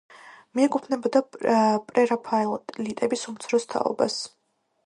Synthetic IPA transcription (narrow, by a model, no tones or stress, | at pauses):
miɛkʼupʰnɛbɔd̪apʼɾɛɾapʰaɛlˠɔt̪ʼlit̪ʼɛbisumt̪sʰɾɔst̪ʰa̰ɔ̰ba̰s